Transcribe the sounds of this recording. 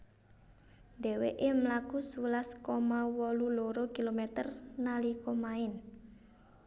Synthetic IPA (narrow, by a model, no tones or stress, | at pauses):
d̪ɛ̤weʔemlakusulaskomawɔluloɾokilomɛt̪ərnalikomaɪn